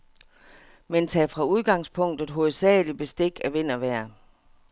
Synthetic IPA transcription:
ment͡sʰɛːfʁɑ̈uð̞ˠɡ̥ɑ̈ŋspʰɔ̽ŋ̰d̥ð̩e̥ɦo̝ð̩ˠsɛ̰ːlib̥e̝sd̥e̝ɡ̥æʋe̝n̰ɐʋæɐ̰

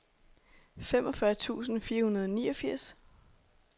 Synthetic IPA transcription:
femɒ̽fɶɐt͡sʰṵːsn̩fiːɐhunɐð̞ˠɒ̽niːʌfiɐ̰s

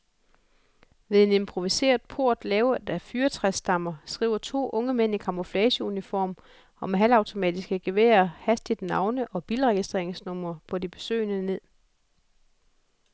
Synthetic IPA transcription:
ʋeðˠe̝ne̝mpʰʁo̝ʋise̝̰ːɐðˠpʰo̝ɐ̰d̥lɛːʊɐd̥æfyːɐt͡sʰʁɛsːd̥ɑ̈mɐsɡ̥ʁḭːʊɐt͡sʰo̝̰ːʔɔ̽ŋəmen̰ikʰɑ̈mo̝flɛːɕəunifɒ̰ːm | ɒ̽meɦæl̰ɑ̈ʊt͡sʰo̝mɛ̰ːd̥isɡ̥æɡ̥e̝ʋḛːɐhæsd̥id̥nɑ̈ʊnəʔɒ̽b̥iːlʁɛɡ̥isd̥ʁḛɐeŋsnɔm̰ɐpʰɒ̽dib̥e̝̥sø̰ɪnəne̝ð̰ˠ

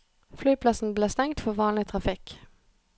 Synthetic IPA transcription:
flyːpʰlɑsn̩bleːst̪ɛŋt̪fɔʋɑːnlɪt̪ʰʁɑfɪk

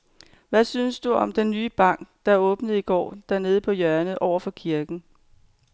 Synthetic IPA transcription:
ʋæsynsd̥uɒ̽md̥enːyːb̥ɑ̈ŋ̰ɡ̥d̥ɑ̈æɔ̽ːb̥nəð̩ˠiɡ̥ɒ̰ːd̥æɐne̝ːð̞̩ˠəpʰɒ̽jɶɐnəð̩ˠʔɒʊ̰ɐfɒ̽kʰiɐɡ̥n̩

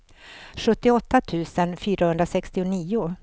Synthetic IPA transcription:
ɧɵt̪ːɪɔt̪ːat̪ʰʉ̟ːsənfyːɾahɵnd̪ɾasɛkst̪ɪʊniːʊ

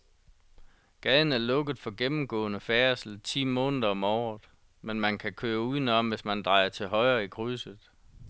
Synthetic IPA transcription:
ɡ̥ɛðn̩æɐlɔ̽ɡ̥ð̩ˠfɒ̽ɡ̥emm̩ɡ̥ɔ̰̽ːnəfæɐsl̩t͡sʰḭːmɔ̽ːnəðˠɐɒ̽mɒːð̩ˠ | menmænkʰækʰøːɐuðˠnəɒ̽mʋe̝smænd̥ʁɑ̈ɪ̰ɐt͡sʰe̝lɦɒ̽ɪɐikʰʁysəð̩ˠ

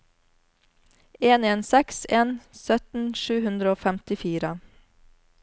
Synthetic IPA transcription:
eːneːnsɛkseːnsœt̪n̩ʃʉːhʉnd̪ɾəoːfæmt̪ɪfiːɾə

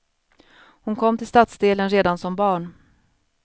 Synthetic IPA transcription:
hʊnkʰɔmːt̪ʰɪlst̪at̪sd̪eːlənɾeːd̪ansɔmbɑːɳ

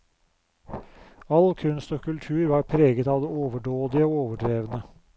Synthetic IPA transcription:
ɑlkʰʉnst̪oːkʰʉlt̪ʰʉːɾʋɑːɾpʰɾeːɡət̪ɑːʋd̪eːoːʋəɖoːd̪ɪəoːoːʋəɖɾeːʋənə

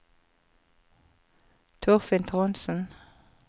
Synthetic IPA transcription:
t̪ʰʊʁfɪnt̪ʰʁɔnsn̩

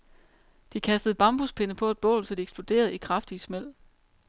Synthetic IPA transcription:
d̥ikʰæsd̥əð̩ˠb̥ɑ̈mb̥uspʰe̝nəpʰɒ̽e̝d̥̚b̥ɔ̰ːlsɒ̽d̥ieɡ̥sb̥o̝d̥e̝̰ːɐð̞̩ˠikʰʁɑ̈fd̥ismel̰

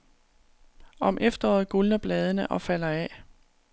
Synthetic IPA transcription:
ɒ̽mʔefd̥ɐɒ̰ːð̞̩ˠɡ̥ulnɐb̥lɛːð̞ˠənəʔɒ̽fæl̰ɐɛ

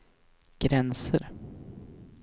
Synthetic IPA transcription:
ɡ̥ɾɛnsə̰ɾ

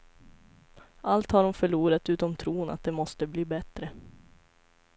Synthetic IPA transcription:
ʔalt̪haɖɔmfœɭuːɾat̪ʉ̟ːt̪ɔmt̪ʰɾuːna̰t̪̚d̪ɛmɔst̪əbliːbɛt̪ɾə

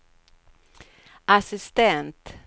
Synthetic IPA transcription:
ʔasɪst̪ɛnt̪

